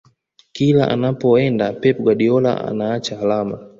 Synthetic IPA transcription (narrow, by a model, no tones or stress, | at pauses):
kilaʔa̰napɔɛndapɛpɡwaɗiɔla̰ʔa̰naat͡ʃahalama